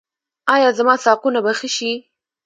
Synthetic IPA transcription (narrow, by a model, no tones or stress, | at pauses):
ɑjɑzamɑsɑqunabaxəʃi